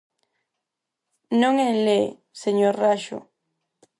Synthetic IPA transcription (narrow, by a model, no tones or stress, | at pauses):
nõŋele | seɲoɾraʃo̰